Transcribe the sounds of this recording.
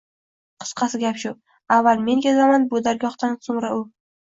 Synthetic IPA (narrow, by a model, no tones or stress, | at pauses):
qʰɨ̥sqʰɑsɪɡʲapʃʊ | avːalme̞nkʲazamanbod̪aɾɡʲɒχt̪ansʊmɾaʊ